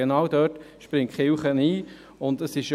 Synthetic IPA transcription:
enɑːwd̪œːt | ʃpɾɪŋtχɪlχəniː | ʊndəsɪʃ

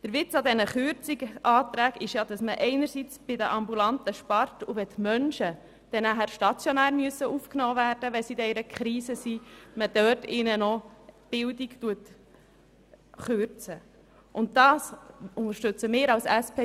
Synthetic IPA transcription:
d̥əɾʋɪt͡sɑd̪ɛnəχʏɾt͡siɡʔɑːt̪ɾæːɡɪʃjɑd̥̪ɑsməʔɛɪnəɾsit͡sb̥ɪd̪əʔɑmbulɑntəʃpɑɾtuʋɛt̪mœnʃə | d̥ɛnæɦæɾʃtɑt͡sjonæːɾmyəsːəʔufknɔːvæːɾd̥əʋɛsidɛɾəkχɾiːsəsiməd̥̪œtɪnənɔb̥ɪldikt̪uət | χøɾt͡sə | ʔʊnt̚tɑːsʊnəɾʃtɵt͡səmɪːɾɑlsæspʰeː

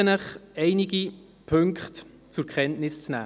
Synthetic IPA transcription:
ənəχɛɪniɡi | pʰɵŋkχt | t͡sʊɾkʰχɛntnɪst͡snæ̰ː

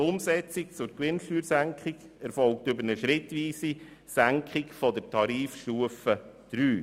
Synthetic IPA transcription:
ʊmsɛt͡sik̚t͡sʊɾkʋɪnʃtyːɾsæŋkχɪɡ | ɛɾfɔlk̚tʏbəɾnəʃɾɪtʋiːsi | sæŋkʰχɪkfɔdəɾtʰɑɾiːfʃtuəfəd̪̥ɾyː

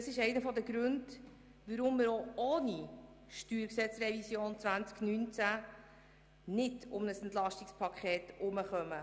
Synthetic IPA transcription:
dəsɪʃɛɪnəfɔdəɡɾʉnd | ʋəɾʊmːɪːɾooːni | ʃtyːɾksɛt͡srɛvisjoːnt͡svænt͡sknynt͡sæ | nɪdʊmnəsɛntlɑʃtɪkspʰɑkʰχɛːtʔʊməχœmə

